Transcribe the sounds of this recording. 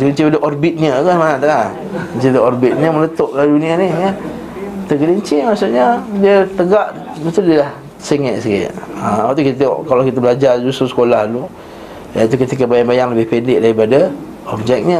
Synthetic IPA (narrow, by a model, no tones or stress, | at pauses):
t̪əɡəliɲt͡ʃipadəʔɔrbɪt̪̚ɲəkasmanat̪əla | ət͡ʃit̪əɔrbit̪̚ɲəmələt̪oʔladunĩanihɲə | t̪əɡəliɲt͡ʃimaʔsuʔɲədiət̪əɡaʔət̪udiəlah | siŋɛʔsikɪ̰ʔ̪̚əat̪̬ukit̪ə̰kalakit̪əbəlad͡ʒard͡ʒususə̥kolahlu | jait̪̬ukət̪ikəbajaŋbajaŋləbɪhpendɪʔdaɾipada | ɔb̚d͡ʒɛk̚ɲə